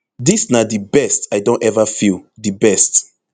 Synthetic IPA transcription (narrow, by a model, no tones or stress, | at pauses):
disnadibɛstaɪdõntɛvafilˠdibɛst